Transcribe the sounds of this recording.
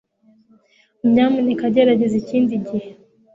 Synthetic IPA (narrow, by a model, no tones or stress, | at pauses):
m̩ɲamunikaɟɛɾaɟɛzit͡ʃindiɟɛ